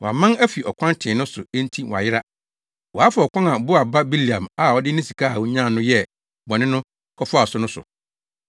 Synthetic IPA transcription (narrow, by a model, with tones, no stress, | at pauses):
wɔ˨a̰˨mã˦næ˦fi˨ɔ˨kʰã˦ntʰɪ̃˨nʊ̃˦sʊ˨ẽ˦n˦tʰi˦wɔ˨a̰˨jɪ˦ɾa˦ | wɔ˨a˦fa˨ɔ˨kʷã˦na˨bʊ˦a˨ba˦bi˦li˨ã˨ma˨ɔ˨dɪ˦nɪ̃˦si˨kʰa˦ha˨wʊ˦ɲ˦ã˦˨nʊ̃˦jɛ˦ | bɔ˨nɪ̃˦nʊ̃˦ | kʰɔ˦fʊ˦a˨sʊ˨˦nʊ̃˦sʊ̰˨